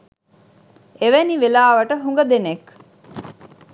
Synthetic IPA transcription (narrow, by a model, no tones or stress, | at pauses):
eʋeniʋelaːʋɐʈəɦuŋɡɐd̪enek